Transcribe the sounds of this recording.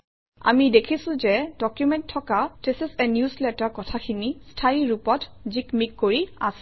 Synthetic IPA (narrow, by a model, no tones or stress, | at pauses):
a̰midekʰisʊ̃zɛdɔkjumɛnttʰːɔkatesɛsɛnjuslɛtaɹkɔtʰakʰinistʰajiɹupɔtzikmikːoɹia̰s